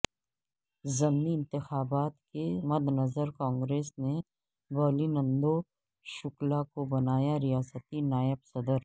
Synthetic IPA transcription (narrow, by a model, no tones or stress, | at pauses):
zɐmniɪ̃nt̪ɪxaːbaːt̪kemɐd̪ʱnɐzəɾkɔ̃ːŋɡɾeːsne | bɔːlinə̃nd̪o | ʃʊklakobɐnaːjaɾɪjaːsət̪inaːjəbsɐd̪əɾ